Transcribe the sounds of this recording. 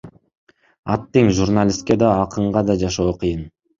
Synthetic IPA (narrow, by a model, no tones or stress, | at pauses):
ɑ̰t̪ːeŋʒurnalʲist̪̚ke̞d̪ɑːqɯɴʁɑd̪ɑd͡ʒɑʃo̞ːqʰɯjɯn